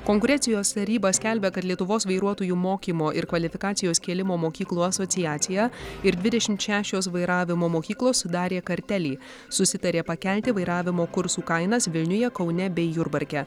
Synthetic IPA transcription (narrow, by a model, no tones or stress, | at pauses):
kɔŋkʊɾʲɛnʲsʲɪjoːst̪ɐɾʲiːbɐsʲkʲæˑlʲbʲɛkɐt̪lʲiɛt̪ʊʋoːsʋɐɪɾuɔt̪oːjuːmoːkʲiːmoːʔɪɾkʋɐlʲɪfʲɪkɑːt̪sʲɪjoːskʲeːlʲɪmoːmoːkʲiːklˠuːɐsoːt̪ʲɪjæːt̪sʲɪjɛɪɾd̪ʲʋʲɪd̪ʲɛʃʲɪmt̪ʃʲæːʃʲoːsʋɐɪɾɑːʋʲɪmoːmoːkʲiːklˠoːsːʊd̪ɑːɾʲeːkɐɾʲt̪ʲælʲiː | sʊsʲɪt̪ɐɾʲeːpɐkʲælʲt̪ʲɪʋɐɪɾɑːʋʲɪmoːkʊɾsuːkɐɪnɐsʋʲɪlʲnʲʊjɛkɒʊnʲɛbʲɛɪjʊɾbɐɾʲkʲɛ